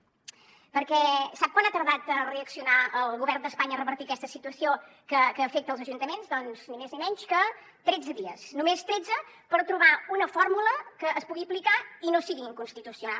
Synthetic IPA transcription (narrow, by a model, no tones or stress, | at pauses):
pəɾkɛsap̚kwanat̪əɾðat̪əreəksiunaəlˠɣuβɛɾnd̪əspaɲəːrəβəɾt̪iəkɛst̪əsit̪uəsio | kəkəːfek̚t̪əlˠzəʒunt̪əmenzd̪ɔnz̥nimeznimɛɲskə | t̪ɾɛd͡zəðiəsnumest̪ɾɛd͡zə | pəɾt̪ɾuβaunəfɔɾmuləkəːspuɣiəplikainosiɣiːŋkunst̪it̪usiunal